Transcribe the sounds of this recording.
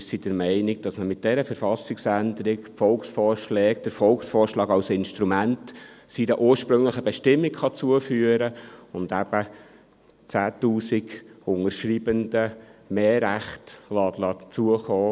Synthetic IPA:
sid̥əɾmɛɪnɪɡ̚d̥ɑsməmɪt̚d̥ɛɾəfəɾfɑsɪksænd̪əɾɪkfɔlksfɔːɾʃlɛːkd̪̥əɾfɔlksfɔːɾʃlɑːɡɑlsɪnʃtɾumæntsinəʔuːɾʃpɾɵŋləχəbɛʃtɪmːɪkχɑt͡suəfyːəɾəʊnd̥̪æb̥ə | t͡sæːtuːsɪɡʊŋəɾʃɾibənd̥əmeːɾæχtlɑːt̪lɑːtt͡suəχɔː

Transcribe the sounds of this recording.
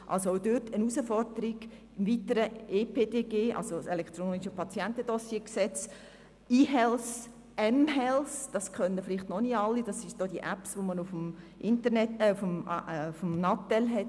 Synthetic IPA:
ʔɑ̰lsoowdøtʰənusəfɔrdəɾiɡ̥ | ɪmvitəɾəeːpʰedeːɡeːʔɑ̰lsoselɛkt̪ɾoːniʃəpʰɑt͡sjɛntəd̥ɔsieəksɛt͡s | iːɦɛls | ɛmɦɛlsd̥ɑskʰœnəflɪχtnɔniɑlːid̥ɑsɪʃd̥oːd̥iəʔæpsʋomənufm | ʔɪntənɛtɛufmfmnɑtɛlɦɛt

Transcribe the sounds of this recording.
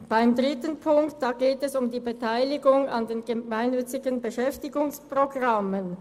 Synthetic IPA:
b̥aɪmdʁɪtənpʰʊŋktd̥aːɡeːtɛsʊmdiːbətʰaɪlɪɡʊŋɑndeːnɡəmaɪnːʏt͡sɪɡənbəʃɛftɪɡʊŋspʁ̥oɡʁɑmən

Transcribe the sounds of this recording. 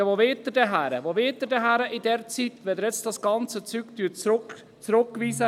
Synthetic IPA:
əʋoʋet̪ədɛɦæɾəʋoʋeːt̪ədɛɦæɾəʔidɛɾt͡sit̪ʋɛd̪əɾjɛt͡stdɑsɡ̥ɑnt͡sət͡sykt̪yːt͡sɾʊk | t͡sɾʊkːʋiːsə

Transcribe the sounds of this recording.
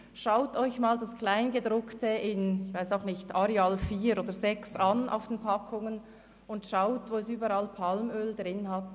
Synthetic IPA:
ʃaʊtɔʏçmaːldaskl̥aɪnɡədʁʊktəʔɪnɪçvaɪsaʊxnɪçtaɾeaːlfiːɾʔoːdəzɛksanʔa̰ʊfd̥enpʰɑkʰʊŋən | ʊntʃaʊtvoːɛsyːbəɾalpʰɑlmøːldʁɪnhɑt

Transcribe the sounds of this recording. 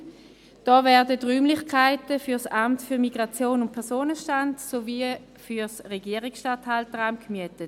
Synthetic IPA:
d̥ɔːvɛɐdətʁyːmlɪχkʰaɪtəfyɐsamtfyːɐmiɡʁat͡sjoːnʊnt̚pʰɛɐʁsoːnəʃtantsovi | fysʁɛɡiəʁiksʃtathaltəʁaʊmkmyətət

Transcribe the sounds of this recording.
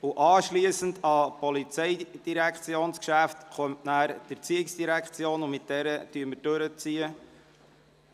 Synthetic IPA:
uʔɑːʃliəsən̩dɑpɔlit͡sɛjd̥iɾækt͡sjoːnskʃæftχɔmtnæːɾd̥əɾt͡siɪksd̥iɾækχt͡sjoːnʊmɪt̚dɛɾətyːəməɾd̥øɾət͡siə

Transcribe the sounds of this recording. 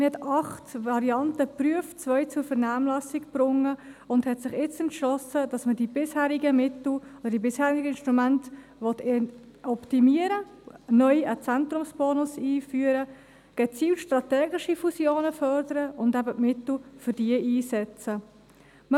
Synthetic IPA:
məhɛtɑχtʋɑɾiɑntəpɾyəft̚t͡svœʏt͡sʊɾfəɾnaːmlɑsɪkb̥ɾʊŋːəʊnthɛtsɪχɪt͡sɛntʃlɔsəd̥ɑsmədibɪshæːɾiɡəmɪtl̩od̥̪əd̥ibɪshæːɾiɡəɪnʃtɾumænt | ʋɔt̪ | ɔptimiəɾə | nœʏət͡sɛnt̪ɾʊmsb̥ɔːnʊsiːfyəɾə | ɡ̥ɛt͡siːltʃtɾɑtɛːɡɪʃifusjoːnəfœɾdəɾəʔʊndæbəʔmɪtl̩fʏɾd̥iəʔiːsɛt͡sə | mə

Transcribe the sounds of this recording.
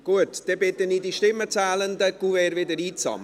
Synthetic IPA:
ɡ̥uətd̥ɛbɪt̪əniːdiʃtɪmːət͡sæːlənd̪əkuvɛːɾvɪdəɾiːt͡sɑ̰m

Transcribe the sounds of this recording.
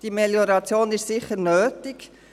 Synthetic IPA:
d̥imɛljɔɾɑt͡sjoːnɪʃsɪχəɾnøːtɪk

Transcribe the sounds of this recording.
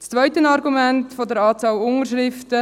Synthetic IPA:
t͡st͡sʋœʏtənɑɾɡumɛntfodəɾɑːt͡sɑːlʊŋəɾʃɾɪftə

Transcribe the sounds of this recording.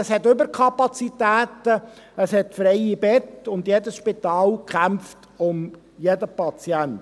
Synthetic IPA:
əshɛtʏbəɾkʰɑpɑt͡sitæːtə | əshɛtfɾɛɪibɛtʊndjedəsʃpit̪ɑːlkχæmft | ʊm | jedəpɑt͡siænt

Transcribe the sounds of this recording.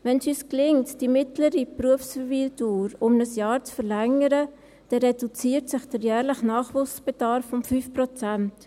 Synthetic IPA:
ʋɛnsyːsklɪŋtd̥imɪtləɾipɾuəfsfəɾviːlduːɾʊmnəsjɑːɾt͡sfəɾlɛŋəɾə | d̥ɛɾɛd̥ut͡siːəɾtsɪχd̥əɾjæːɾləχnɑːχvʊsb̥ed̥ɑɾfʊmfyːfprɔt͡sænt

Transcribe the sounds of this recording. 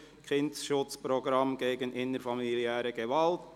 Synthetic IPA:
kʰɪndsʃʊt͡spɾɔɡɾɑmɡ̥eːɡənʔɪnəɾfɑmiliæːɾəɡevɑlt

